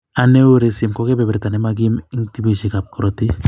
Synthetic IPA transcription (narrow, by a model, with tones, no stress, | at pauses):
a˨ne˦wuɾe˨simkɔkɛ˦bɛ˨bɾɛt̪a˨nɛ˦maɡi˦mi˦ŋt̪i˦biʃikap̚kɾot̪i˦